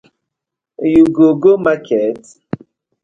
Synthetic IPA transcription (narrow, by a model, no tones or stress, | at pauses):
juɡoɡomakʰɛt